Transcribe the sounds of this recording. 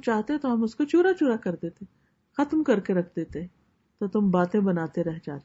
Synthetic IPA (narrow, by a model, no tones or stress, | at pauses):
t͡ʃaːɦt̪eɦɛ̃t̪oɦɐ̃mʊskot͡ʃuːɾat͡ʃuːɾakɐɾd̪eːt̪e | xɐt̪mkɐɾkeɾɐkʰd̪eːt̪eɦɛ̃ | t̪ot̪ʊmbaːt̪ẽbɐnaːt̪eɾɛɦd͡ʒa̰ːt̪ː